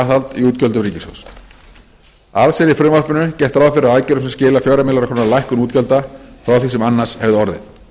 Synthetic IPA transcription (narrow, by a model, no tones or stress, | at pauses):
θalt̪iuːt̪cœlt̪ʏɾiːcɪso̰ws | aðsɛɾɪfɾʏmvar̥pʏnʏcɛjht̪ɾawfɪɾɪɾaðaːjcʏɾʏmsɛmscɪːlafjœɥɾamɪlaɾakʰɔnalajhkʏnuːt̪cœlt̪afɾawθisɛmanːar̥shɛvðɪɔɾðɪ̰θ